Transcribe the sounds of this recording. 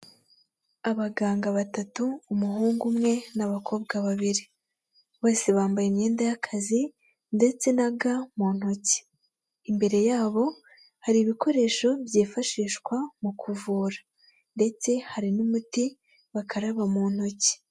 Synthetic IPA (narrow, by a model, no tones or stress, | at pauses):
aβaɡaːŋɡaβatatuːmuɦuːŋɡumŋe̞naβakʰo̞ːbɡaβaβiɾi | βo̞ːsiβaːmbajemɲe̞ːndajakʰazi | nde̞t͡se̞naɡamuːn̥hoci̥ː | mbe̞ɾe̞jaːβo̞ | haɾiβiko̞ɾe̞ʃo̞bjiːfaʃiːʃkwamukʰuvuːɾḁ | nde̞t͡se̞haɾinumuti | βakʰaɾaβamuːn̥hoci̥